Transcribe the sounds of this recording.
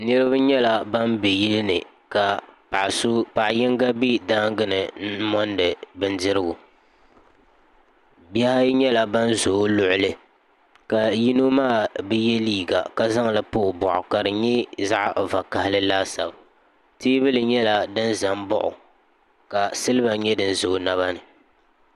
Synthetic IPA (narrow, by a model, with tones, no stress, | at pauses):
nɨ˦ɾɨ˦ba˦ɲɛ˦la˨ba˦nbɛ˨ji˦lɨ˦nɨ˨ | ka˨pa˨ʔsʊ˦pa˨ʔjɪ˦ŋɡa˦bi˦daː˦ŋɡɨ˦nɨ˨n̩˦mɔ˦ndɨ˨bɨ˦n˦dɨ˦ɾɨ˦ɡʊ˨ | bjɛ˦ha˦ɲɛ˦la˨ba˦nzo˨˦lʊ˦˨ʔʊ˨lɨ˦ | ka˨ji˦no˦maː˦˨bɨ˦jɛ˦liː˦˨ɡa˨ka˦za˦ŋlɨ˨poː˦˨bɔ̰˨ʔʊ̰˨ka˨ɾɨ˨ɲɛ˦za˦ʔva˨ka˨hɪ˦lɨ˦laː˦sa˨b | tiː˦βɨ˦lɨ˨ɲɛ˦la˨dɨ˦nza˨mbʊ̰˦ʔʊ̰˨ | ka˨sɨ˦lɨ˦ba˨ɲɛ˦dɨ˦n̩˦zo˨˦na˦βa˦nɨ˨